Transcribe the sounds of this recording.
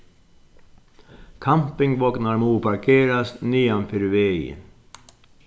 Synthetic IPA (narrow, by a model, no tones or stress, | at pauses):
kʰampɪŋʋɔknaɾmuːpʰɑɾkʰeːɾasnyːanfɪɾʋeə̰